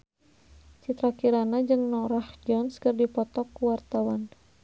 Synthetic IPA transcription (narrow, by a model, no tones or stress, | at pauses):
t͡ʃit̪ɾakiɾanad͡ʒɨŋnɔrahd͡ʒɔnskərdipɔt̪ɔkːuwart̪awan